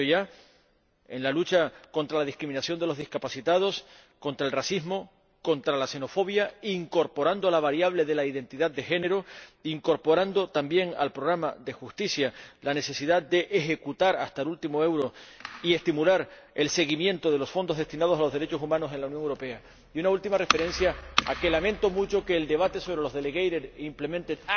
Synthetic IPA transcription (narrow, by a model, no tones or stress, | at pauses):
oʝa | e̞̰nlalut͡ʃako̞nt̪ɾalaðihkɾimĩnasjo̞nd̪e̞lo̞zðihkapasit̪að̞o̞s | ko̞nt̪ɾaelrasizmo̞ | ko̞nt̪ɾalase̞no̞fo̞βjaiŋko̞ɾpo̞ɾand̪oalaβaɾjaβ̞le̞ðe̞laiðe̞nt̪iðad̪̚d̪e̞xe̞ne̞ɾoiŋko̞ɾpo̞ɾand̪o̞t̪ambje̞ŋa̰lpɾo̞ɣ̞ɾamaðe̞xust̪isjalane̞se̞siðad̪e̞ʔexe̞kut̪aɾa̰st̪aelult̪imoe̞wɾo̞ie̞st̪imulaɾ | e̞lse̞ɣimjẽ̞nt̪o̞ð̞e̞lo̞sfo̞nd̪o̞ɦðe̞st̪inað̞o̞salo̞zðe̞ɾe̞t͡ʃo̞sumãno̞se̞nlaunjoŋewɾope̞a | junault̪imare̞fe̞ɾẽ̞nsjaa̰ke̞lamẽ̞nt̪o̞mut͡ʃo̞keːld̪e̞βat̪e̞so̞βɾe̞lo̞zðe̞leɣejɾeɾimple̞mẽ̞nt̪e